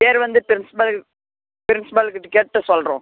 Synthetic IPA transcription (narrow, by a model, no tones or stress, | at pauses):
peːɾʋɐnd̪ɯpɪɾɪnsɪ̥pɐl | pɪɾɪnsɪpɐlɯkːɯʈɪkeːʈʈːɯsɔlrõː